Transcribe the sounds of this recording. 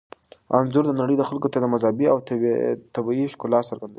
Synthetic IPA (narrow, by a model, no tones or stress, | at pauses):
a̰nzʊɾd̪ənaɽəjd̪əxalkot̪ad̪əmazɑbiawt̪abiʃkʊlɑt̪saɾɡand̪a